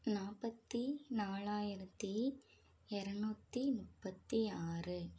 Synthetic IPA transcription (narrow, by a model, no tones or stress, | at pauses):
naːpɐt̪ːinaːɭaːjɪɾɐt̪ːi | ɪɾɐɳuːt̪ːimʊpːɐt̪ːiaːrɯ